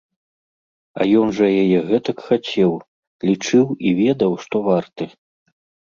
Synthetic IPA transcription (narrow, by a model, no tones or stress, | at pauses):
ɐ̰jɔnʐɐjajɛɣɛt̪ɐkxat͡sʲɛw | lʲit͡ʂɨwivʲɛd̪ɐwʂt̪ɔvart̪ɨ